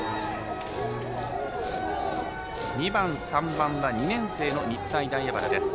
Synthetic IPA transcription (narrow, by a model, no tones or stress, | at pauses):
ɲ̟ibãɰ̃sãmbãɰ̃βaɲ̟inẽ̞ɰ̃se̞ːno̞ɲ̟it̪ːaid̪aijabaɾa̰d̪e̞sɨ̥